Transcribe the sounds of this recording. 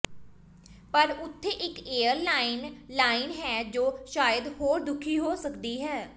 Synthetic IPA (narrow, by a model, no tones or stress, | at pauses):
pəɾʊt̪ʰːeːʔɪkeːəɾlaːɪnlaːɪnɦɛːd͡ʒoːʃaːjəd̪hoːɾd̪ʊkʰːiːɦoːsəkd̪iːɦɛː